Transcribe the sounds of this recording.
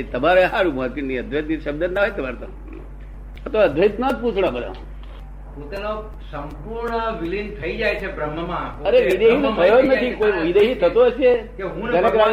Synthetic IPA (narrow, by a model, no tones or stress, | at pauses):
t̪əbaɾɦaɾubuat̪inniəd̪ʱɾət̪niʃəb̚d̪ənnaɦojt̪əbaɾt̪ã̰ | ət̪ʰəʋaəd̪ʱʋət̪nat̪̚put͡ʃʰɽ̃ãbəd̪ã̰m | ɦũt̪ano | səmpuɾɳəʋilint̪ʰəid͡ʒajt͡ʃʰebɾəmːəmãəɾeʋid̪eɦit̪ot̪ʰəjod͡ʒnət̪ʰikoiʋid̪eɦit̪ʰət̪oɦəʃekeɦũɡ̪əɾekɾa